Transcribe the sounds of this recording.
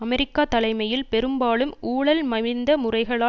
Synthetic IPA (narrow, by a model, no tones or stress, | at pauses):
ɐmɛɾɪkːaːt̪ɐlɐɪmɐjɪlpɛɾɯmbaːlɯmuːɽɐlmɐɻɪnd̪ɐmʊrɐɪɣɐɭaː